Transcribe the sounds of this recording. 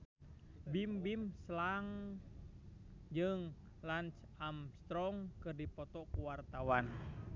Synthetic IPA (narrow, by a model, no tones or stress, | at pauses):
bimbimslaŋ | d͡ʒɨŋ | lant͡ʃamst̪ɾɔŋkɨrdipɔt̪ɔkuwart̪awan